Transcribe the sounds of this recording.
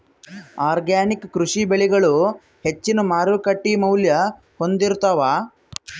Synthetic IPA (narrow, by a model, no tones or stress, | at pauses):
aːɾɡaːnikkɾuʂibeɭiɡɐɭu | het͡ʃːinumaːɾʋukɐʈːimɐwljɐ | ho̞nd̪iɾut̪ɐʋaː